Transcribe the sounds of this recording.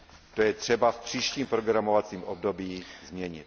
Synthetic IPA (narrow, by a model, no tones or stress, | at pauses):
t̪ojɛt̪r̝̥ɛbafpr̝̥iːʃciːmpɾoɡɾamo̞vat͡siːmʔobdo̞biːzmɲɛɲɪt̪